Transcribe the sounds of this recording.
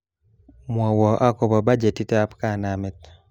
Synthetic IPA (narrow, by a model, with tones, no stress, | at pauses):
mwɔ˨wɔ˨ʔa˦kɔ˨ba˨ba˦d͡ʒe˨ti˦ta˦pka˦˨na˨mɛ˨t̚